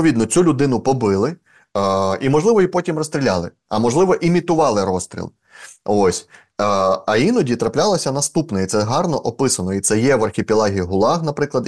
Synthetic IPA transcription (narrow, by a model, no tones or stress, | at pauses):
ʋʲid̪nɔt͡sʲulʲʊd̪ɪnʊpɔbɪlˠɪ | imɔʒlˠɪʋɔipɔtʲimrɔst̪ɾʲilʲɑlˠɪ | ɐ̰mɔʒlˠɪʋɔʔimʲit̪ʊʋɑlˠɪɾɔst̪ɾʲḭlˠ | osʲ | ɐinɔdʲit̪ɾɐplʲɑlˠɐsʲɐnɐst̪upnɔit̪sɛɦɑrnɔʔɔpɪsɐnɔit̪sɛjɛʋɐrxʲɪpʲilˠɑɦʲiɦʊlˠɑxnɐpɾɪklˠɐd̪